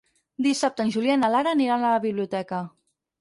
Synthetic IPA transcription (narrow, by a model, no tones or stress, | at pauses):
d̪isap̚t̪ənʲʒulianalaɾəːniɾanələβiβliut̪ɛkə